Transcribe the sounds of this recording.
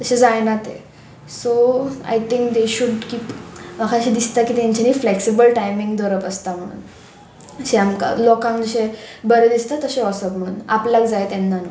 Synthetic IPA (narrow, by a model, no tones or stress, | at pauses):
t̪əɕẽd͡zajnat̪ḛ | soa̰jt̪ĩŋk̚d̪eɕuɖkipmakʰaɕid̪ist̪akit̪jaɲt͡ɕanifleksibəlʈajmĩŋɡd̪ɔɾəpəst̪am̤əɽ̃ṵːn | ɕeamka̰lɔkãŋkd͡zəɕebəɾəd̪ist̪at̪əɕeɔsəpm̤əɽ̃uːnaplakd͡zajt̪ɛ̃nːano